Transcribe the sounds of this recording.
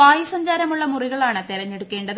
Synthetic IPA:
aːjɐsɐɲd͡ʑaːɾɐmuɭːɐmuriɣɐɭaːɳɨt̪iɾɐɲːe̞ɽukːe̞ːɳɖɐð

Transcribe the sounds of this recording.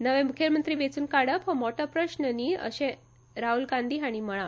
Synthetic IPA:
nəʋẽmukʰjəɾmənt̪ɾiːʋet͡suːnkaɽəpɦə̃mɔʈəpɾəɕnəniːə̰ɕẽ | ɾaɦulɡãnd̪ʱiːɦaɽ̃iməɭ̃a

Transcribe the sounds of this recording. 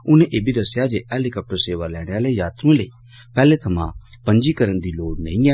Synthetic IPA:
ʊnẽːʔeːbʱiːd̪əsːjaːd͡ʒeːʔɛːlikəp̚ʈəɾseːʋaːlɛːɽ̃eːaːleːjaːt̪ɾũlḛiː | pɛːleːt̪ʰəmã̰ːpəɲd͡ʒiːkəɾənd̪iːloːɽnḛĩːɛː

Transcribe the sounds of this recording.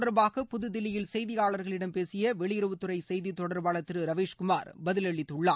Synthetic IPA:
ɽɐɾbaːɣɐpʊðʊd̪ɪlːɪjɪlsɛjðɪjaːɭɐɾɣɐɭɪɽɐmpeːsɪjɐʋɛɭɪjɪɾɯʋɯt̪ːɯrɐɪsɛjðit̪ɔɽɐɾbaːɭɐt̪ːɪɾɯɾɐʋeːʂkʊmaːɾbɐðɪlɛɭːɪt̪ːɯɭːa̰ː

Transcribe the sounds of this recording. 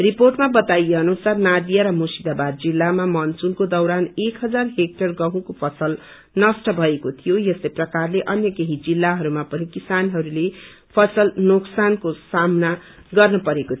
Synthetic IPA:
riporʈmabʌt̪ajeʌnusarnad̪ijaɾʌmusid̪abad̪d͡zilːamamʌnt͡sulkod̪ʌwɾanekɦʌd͡zarɦek̚ʈʌrɡʌɦũkopʰʌsʌl | nʌsʈʌbʱʌekot̪ʰijojʌslʌprʌkarleʔʌnjʌkeɦid͡zilːaɦʌɾumapʌnikisanɦʌɾule | pʰʌsʌlnoksankosamna | ɡʌrnʌpʌɾekot̪ʰ

